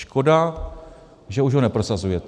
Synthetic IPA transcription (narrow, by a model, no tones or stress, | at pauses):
ʃko̞da | ʒɛuʒɦonɛpɾo̞sazujɛt̪